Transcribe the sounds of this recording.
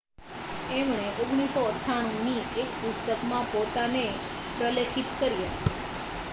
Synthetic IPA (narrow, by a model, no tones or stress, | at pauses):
emɳ̃eʔoɡɽ̃isoəʈʰaɽ̃ũniekpʊst̪əkmãpot̪ane | pɾəlekʰit̪kəɾiət̪